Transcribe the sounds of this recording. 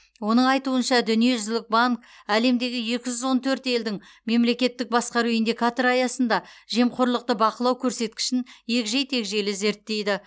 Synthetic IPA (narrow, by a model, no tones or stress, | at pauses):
wo̞nəɴɑjt̪uənʃɑd̪ʏnije̞ʒʏzlɪk̚baŋk | æle̞md̪e̞ɡʲɪje̞kʲɪʒʏzwo̞nt̪ʰɵɾt̪e̞ld̪ɪŋ | me̞mle̞kʲe̞t̪ːɪk̚bɑsqɑɾuɪnd̪ijkat̪oɾɑjɑsən̪d̪ɑʒe̞mqʰoɾlˠəq̚t̪əbɑqəlˠɑwkʲʰɵɾse̞t̪̚kʲɪ̥ʃɪnje̞kʲʒe̞jt̪ʰe̞kʒe̞lɪze̞ɾt̪ːe̞jd̪ɪ